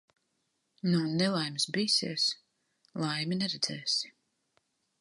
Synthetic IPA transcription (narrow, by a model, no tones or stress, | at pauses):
nɔnːɛlˠajmsbiːsɛ̰ːs | lˠajminɛɾɛd̪z̥ɛːs